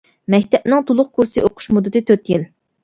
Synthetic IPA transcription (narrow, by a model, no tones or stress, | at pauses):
mɛkʲt̪ʰɛpnɨŋt̪ʰolˠʊχkʰuɾsɨʔoqʰʊ̥ʃmud̪ːɨt̪ɪt̪ʰøt̪jil